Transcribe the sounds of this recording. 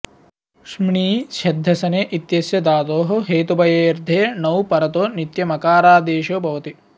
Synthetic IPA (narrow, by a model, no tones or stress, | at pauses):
ʃmɳiːʃɐd̪ʱːɐsɐneːʔit̪jɐsjɐd̪aːt̪oːɦɐ̆ɦeːt̪ubɐjeːɾd̪ʱeːnɐwpɐɾɐt̪oːnit̪jɐmɐkaːɾaːd̪eːʃoːbʱɐʋɐt̪i